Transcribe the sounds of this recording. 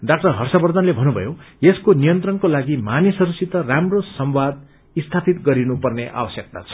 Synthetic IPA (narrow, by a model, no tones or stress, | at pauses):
dak̚ʈʌɦʌrsabʌrd̪ʱʌnlebʱʌnubʱʌ̰jojeskonijʌnt̪rʌnkolaɡimanisʌɾusit̪ʌramrosʌmwad̪̚ | ist̪ʰapʰit̪ɡʌɾinupʌrneʔa̰wʌsjʌk̚t̪a̰t͡sʰʌ̥